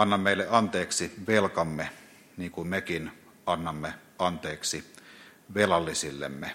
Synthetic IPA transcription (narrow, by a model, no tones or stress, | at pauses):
ɑnːɑmːeˑilːeʔɑnt̪eːksiʋelkɑmːe | niːŋkummekin | ɑnːɑmːe | ɑnt̪eːksi | ʋelɑlːisilːḛmːe